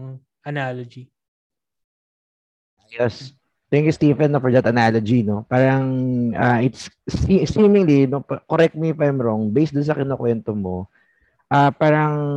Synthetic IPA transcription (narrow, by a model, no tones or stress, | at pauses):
ɐnalod͡ʒi | jɛs | t̪ɛŋkjust̪ivɛnːofɔɹd̪ɐt̪ɐnalod͡ʒino̞paːɾɐŋʔaʔɪt̪sisimɪŋlinopkoɾɛk̚t̪̚mifajmɹoŋbejsd̪ʊnsɐkɪnokwɛnt̪omo | ʔapaːɾɐŋ